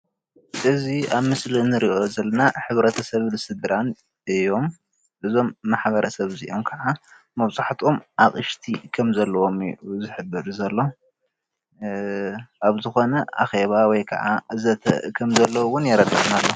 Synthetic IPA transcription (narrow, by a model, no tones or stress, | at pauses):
ʔɨziaβmɨslinɨɾiʔo̞zɐlːɐnaħɨβɾɐt̪ʰɐsɐβlɨsɨd̪ɾan | ʔɨjːo̞m | ʔɨzo̞mːaħbɐɾʔɐsɐβzḭʔo̞mkʰɐʕa | mɐβt͡sʼaħt̪ʰomʔaχʼɨʃt̪ʰikʰɐmzɐlːɐwomzɨħɨbːɨɾuzɐlːo | ʔaβzɨxo̞nɐʔa̰xe̞βawɔjkʰɐ̰ʕazɐt̪ʰɐ̰kʰɐmzɐlːɐwwʊnjɛɾɐd̪ɐχnalːo